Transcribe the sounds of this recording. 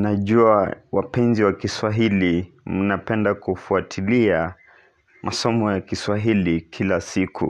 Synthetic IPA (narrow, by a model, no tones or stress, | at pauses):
naʄuawapɛnziwakiswaɦilim̩napɛndakufuatʰilia | mʔasɔmɔjakiswaɦilikʰilasikṵ